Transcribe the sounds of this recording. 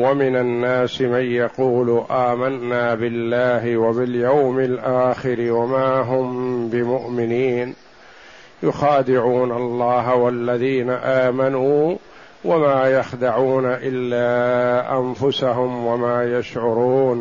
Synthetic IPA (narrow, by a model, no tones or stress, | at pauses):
wamɪnanːaːsɪmanjɑquːlʔaːmanːaːbɪlːaːɦɪwaβɪljawmɪlʔaːxɪɾɪwamaːɦʊmbɪmʊʔmɪniːn | jʊxaːd̪ɪʕuːnalˤːɑːɦawalːaðiːnaʔaːmanuː | wamaːjaxd̪aʕuːnaʔɪlːaːʔanfʊsaɦʊmwamaːjaʃʕʊɾuːn